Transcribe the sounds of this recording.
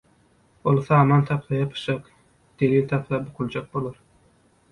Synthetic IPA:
olˠθɑːmɑnt̪ʰɑpʰlɑjɑpʰɯ̥ʃɑq | d̪̥elint̪ʰɑpʰlˠɑbuqʰulˠd͡ʒɑk̚bolˠɑɾ

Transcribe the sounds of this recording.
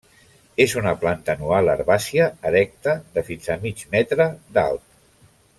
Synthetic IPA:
ezunəplant̪ənualə̰ɾβasiəəɾɛk̚t̪əðəfinzamid͡ʒmɛt̪ɾəða̰lˠt̪̚

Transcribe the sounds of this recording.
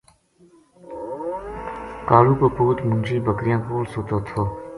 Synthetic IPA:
kaːɾuːpopuːt̪mund͡ʑiːbəkɾijãːpoːɾsoːt̪oːt̪ʰoː

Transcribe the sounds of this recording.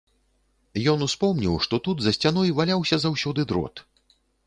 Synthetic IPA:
jɔnuspɔmnʲiwʂt̪ɔt̪ud̪zɐsʲt͡sʲanɔjvalʲawsʲɐzawsʲɔd̪ɨd̪ɾɔ̰t̪

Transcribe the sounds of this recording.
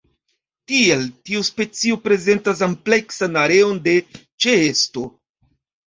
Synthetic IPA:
tie̞ltiuspe̞t͡siopɾe̞ze̞ntas̬ample̞ksanaɾe̞onde̞ | t͡ʃeesto̞

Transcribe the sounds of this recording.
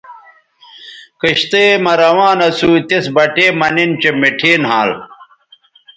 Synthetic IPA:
kiɕt̪eːmɐɾɐwãːnɐsuːt̪isbɐʈeːmɐnint͡ɕemiʈʰeːnɦãːl

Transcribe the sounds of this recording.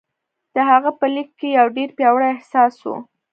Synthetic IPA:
d̪̥əɦaɣəpəlikːejawɖeɾpjɑwɽajɪhsɑswṵ

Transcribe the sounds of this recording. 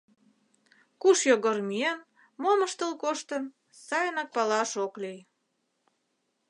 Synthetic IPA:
kuʃjoɣormien | moməʃt̪əlkoʃt̪ən | sɑjənɑk̚pɑlɑʃoklij

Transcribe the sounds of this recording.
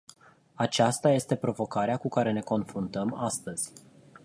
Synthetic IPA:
at͡ʃast̪aje̞st̪e̞pɾo̞vo̞kaɾeakukaɾe̞ne̞ko̞nfɾunt̪əmast̪əz̥ʲ

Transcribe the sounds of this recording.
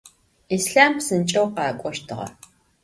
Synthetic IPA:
iːsɬaːmpsɨnt͡ʃʼɐwqɑːkʷʼɔʃtʰɨʁɐ̰

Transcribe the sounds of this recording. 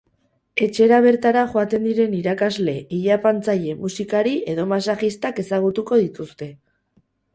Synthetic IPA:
e̞t͡ʃe̞ɾaβ̞e̞ɾt̪aɾaʝoat̪e̞nd̪iɾe̞niɾakazle̞ʔiʎapant͡saʎe̞musikaɾie̞ð̞o̞masaʝist̪ake̞saɣ̞ut̪uko̞ðit̪ust̪e̞

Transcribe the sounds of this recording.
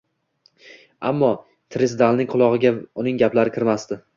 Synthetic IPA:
a̰mːɒ | t̪ʰɾɪsd̪alnɪŋqʰʊlˠɒʁɨɡʲaʊnɪŋɡʲaplaɾɪkʲʰɪɾmast̪ɪ

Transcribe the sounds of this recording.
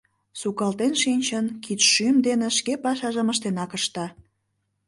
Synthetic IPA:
sukɑlt̪enʃinʲt͡ɕənkit̪ʃymd̪eneʃkepɑʃɑʒəməʃt̪enɑkəʃt̪ɑ

